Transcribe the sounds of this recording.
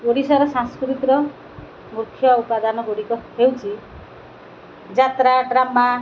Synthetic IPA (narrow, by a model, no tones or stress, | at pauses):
ɡoɽisɔɾɔsãskɾit̪ɾɔ | murkʰːjɔupad̪anɔɡoɽikɔhewt͡ʃʰi | d͡zat̪ɾaʈɾama